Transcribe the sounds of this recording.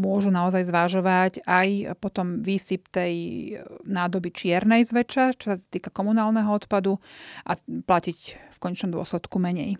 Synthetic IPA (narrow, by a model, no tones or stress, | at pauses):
mʊɔʒunaɔzajzʋaʒɔʋacajpɔt̪ɔmʋiːsipt̪ɛj | naːd̪ɔbit͡ʃɪɛɾnɛjzʋɛt͡ʃat͡ʃɔ̥sat̪iːkakɔmunaːlnɛɦɔɔt̪pad̪uʔaplacicfkɔɲɛt͡ʃnɔmd̪ʊɔ̰slɛt̪kumɛɲɛj